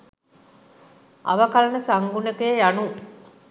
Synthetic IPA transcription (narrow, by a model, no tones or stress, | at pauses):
ʔɐ̰ʋɐkalɐnəsaŋɡunəkejejanu